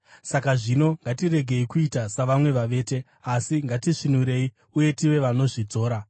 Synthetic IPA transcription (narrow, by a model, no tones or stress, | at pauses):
sakaʐino̞ŋɡatire̞ɡʱe̞ikuitasaʋamwe̞ʋaʋe̞ːte̞ | asiŋɡatiʂinuɾe̞i | uje̞tiʋe̞ʋano̞ʐid͡zo̞ːɾa